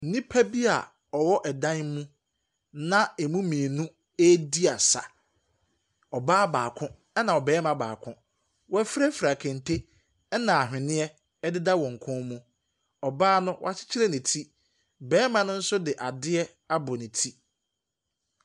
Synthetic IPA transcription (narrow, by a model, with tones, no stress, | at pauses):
n̩˨nĩ˦pʰæ˦bi˦a̰˨ | ɔ˨wɔ˦ʔɛ˨dã˦n˦mũ˦ | nã˦ɛ˨mũ˦mĩ˨e˨nũ˦ | e˦di˦a˨sa̰˨ | ɔ˨baː˦baː˨kʰʊ̃˦ | ɛ˦nã˨ɔ˨bɛː˨˦mã˨ba̰ː˨kʰʊ̃˦ | wɔ˦fɾɛ˦fɾa˨kʰɛ̃˨n˨tʰe˦ | ɛ˦nã˨a˨ɦᶣɪ̃˨nɪ̃˦ɛ˦ | ɛ˦dɪ˦da˦wɔ̃˨ŋ̩˨kʰʊ̃˦nmũ˦ | ɔ˨baː˦nʊ̃˦wɔ̰˦a˨t͡ɕʰɪ̥˦t͡ɕʰɪ˦ɾɛ˦nĩ˨tʰi˦ | bɛː˦mã˦nʊ̃˦n̩˦sʊ˦dɪ˨ʔa˨dɪ˦ɛ˦ | a˦bʊ˨nĩ˨tʰi˦